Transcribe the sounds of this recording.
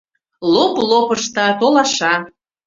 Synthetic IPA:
loplopəʃt̪ɑt̪olɑʃɑ

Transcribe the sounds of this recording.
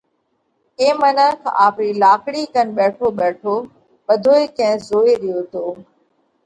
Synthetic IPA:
ẽːmənəkʰaːpɾiːlaːkɽiːkənɓɛːʈʰoːɓɛːʈʰoː | ɓəd̪ʱoːeːkɐ̃ɦzoːeɾɪjoːt̪oː

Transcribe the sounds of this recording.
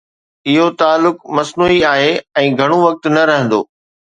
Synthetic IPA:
ɪɦot̪aːlːʊkmɐsnuːiaːɦeɛ̃ːɡʱɐɽ̃oʋɐk̚t̪nɐɾɐɦə̃nd̪o̰ː

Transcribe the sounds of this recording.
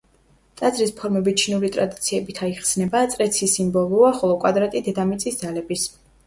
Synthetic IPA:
t̪ʼad̪zɾispʰɔɾmɛbit͡ʃʰinuɾit̪ʼɾad̪it̪sʰiɛbit̪ʰaiχsnɛbat̪sʼɾɛt̪sʰisimbɔlˠuaχɔlˠɔkʼwad̪ɾat̪ʼid̪ɛd̪amit̪sʼisd̪zalɛbis

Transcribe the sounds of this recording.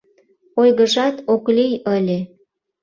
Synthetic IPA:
ojɣəʒɑt̪oklijəlʲe

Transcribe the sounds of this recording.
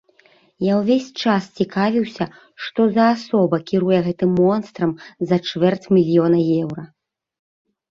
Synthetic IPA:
jawvʲesʲt͡ʂast͡sʲikavʲiwsʲɐ | ʂt̪ɔzɐːsɔbɐkʲiɾujɛɣɛt̪ɨmːɔnst̪ɾɐmzɐt͡ʂvɛrt͡sʲmʲilʲjɔnɐjɛwɾɐ

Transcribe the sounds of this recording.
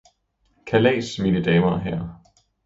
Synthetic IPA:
kʰælɛ̰ːsmiːnəd̥ɛːmɐɦæɐ̰

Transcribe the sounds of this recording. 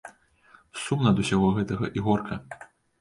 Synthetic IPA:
sumnɐd̪usʲaɣɔɣɛt̪ɐɣɐʔiɣɔrkʰɐ

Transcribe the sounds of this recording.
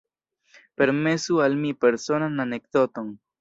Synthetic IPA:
pe̞ɾme̞sualmipe̞ɾso̞nananek̚d̪o̞t̪o̞n

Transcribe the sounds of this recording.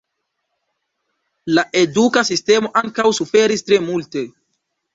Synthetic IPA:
laʔe̞dukasiste̞mo̞ʔaŋkawsufe̞ɾistɾe̞multe̞

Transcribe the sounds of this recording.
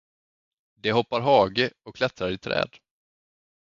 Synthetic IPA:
d̪ɛɦɔpːaɾɦɑːɡəɔkʰːlɛt̪ɾaɾɪt̪ʰɾɛ̰ːd̪

